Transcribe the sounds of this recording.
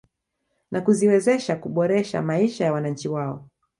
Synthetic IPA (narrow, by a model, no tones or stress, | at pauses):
nakuziwɛzɛʃakuɓɔɾɛʃa̰maiʃajawanaɲ̩t͡ʃiwaɔ